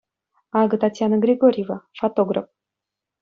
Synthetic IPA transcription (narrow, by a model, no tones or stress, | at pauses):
ɑɡɤ̆t̪atʲjanəɡɾʲeɡoɾʲjevafot̪oɡra̰f